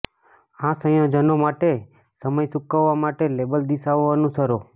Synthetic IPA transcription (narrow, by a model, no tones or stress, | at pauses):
ãsə̃jə̃d͡ʒənomaʈe | səməjsukəʋːamaʈelebəld̪isaʋːanũsəɾo